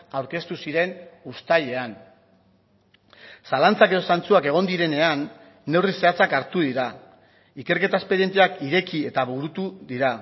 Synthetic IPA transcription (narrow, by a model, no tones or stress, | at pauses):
awɾke̞st̪usiɾe̞nust̪aje̞an | salant͡sakeo̞sant͡suake̞ɣ̞o̞nd̪iɾe̞ne̞anː | e̞wrise̞at͡sakaɾt̪uðiɾa | ike̞ɾke̞t̪aespe̞ɾije̞nt̪eakiɾe̞kie̞t̪aβuɾut̪uðiɾa